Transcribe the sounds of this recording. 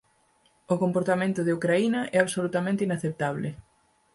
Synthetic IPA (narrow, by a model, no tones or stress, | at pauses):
okompoɾt̪amẽnt̪ʊðeukɾainɐʔɛaβsolut̪amẽnt̪inaθep̚t̪aβ̞lɪ